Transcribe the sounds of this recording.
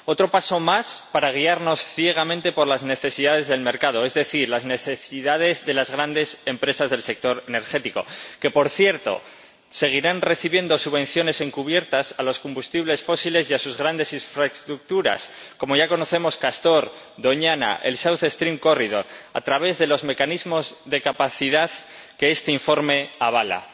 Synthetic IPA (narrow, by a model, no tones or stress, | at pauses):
o̞t̪ɾo̞paso̞maspaɾaɣ̞iaɾno̞sθje̞ɣ̞amẽnt̪e̞po̞ɾlazne̞θe̞siðað̞e̞zðe̞lme̞ɾkað̞o̞e̞zðe̞θiɾlazne̞θe̞siðað̞e̞zðe̞lazɣɾand̪e̞se̞mpɾe̞sazðelse̞k̚t̪o̞ɾene̞ɾxe̞t̪iko̞̰ke̞po̞ɾθje̞ɾt̪o̞̰ | se̞ɣ̞iɾanre̞θiβje̞nd̪o̞suβẽ̞n̟θjo̞ne̞se̞ŋkuβ̞je̞ɾt̪asalo̞skombust̪iβle̞sfo̞sile̞sjasuzɣɾand̪e̞siɱfɾaest̪ɾuk̚t̪uɾa̰s | ko̞mo̞ʝako̞no̞θe̞mo̞skast̪o̞ɾ | d̪o̞ɲana̰ʔe̞̰lsawθest̪ɾimko̞riðo̞ɾa̰t̪ɾaβe̞zðe̞lo̞zme̞kanizmozðe̞kapaθiðað | ke̞est̪eiɱfo̞ɾme̞aβala̰